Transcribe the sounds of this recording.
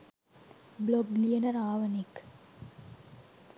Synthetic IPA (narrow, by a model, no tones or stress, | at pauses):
bloblijɐnɐɾaːʋɐnik